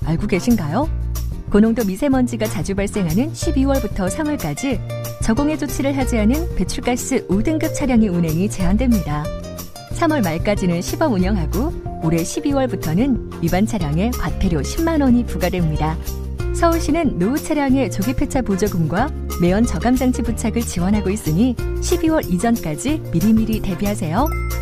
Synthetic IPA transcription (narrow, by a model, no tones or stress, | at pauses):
aɭɡoɡe̞ɕʰinɡajokonoŋdomisʰe̞mʌnd͡ʑiɡat͡ɕad͡ʑubaɭs͈e̞ŋɦanɯnɕʰibiwʌɭbutʰʌsʰamʌɭk͈ad͡ʑi | t͡ɕʌɡoŋe̞d͡ʑot͡ɕʰiɾɯɭɦad͡ʑiɦanɯnpe̞t͡ɕʰuɭk͈as͈ɯʔudɯŋɡɯp̚t͡ɕʰaɾjaŋe̞unɦe̞ŋit͡ɕe̞andwe̞mɲida | sʰamʌɭmaɭk͈ad͡ʑinɯnɕʰibʌmuɲʌŋɦaɡooɾe̞ɕʰibiwʌɭbutʰʌnɯn | ibant͡ɕʰaɾjaŋe̞kwat̚pʰeɾjoɕʰimːanwʌɲipuɡadwemɲida | sʰʌuɭɕ͈inɯnːout͡ɕʰaɾjaŋe̞t͡ɕoɡipʰe̞t͡ɕʰapod͡ʑʌɡɯmɡwa | me̞ʌnt͡ɕʌɡamd͡ʑaŋt͡ɕʰiput͡ɕʰaɡɯɭt͡ɕiwʌnɦaɡois͈ɯɲiɕʰibiwʌɾid͡ʑʌnk͈ad͡ʑimiɾimiɾite̞biɦasʰe̞jo